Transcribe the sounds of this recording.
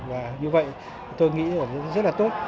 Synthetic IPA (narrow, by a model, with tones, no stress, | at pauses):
vaː˨˩ɲɨ˧və̰˧˨j | t̪o˧jŋḭ˧˥ʔəː˧˩˦zə˦˥t̚laː˨˩t̪o˦˥t̚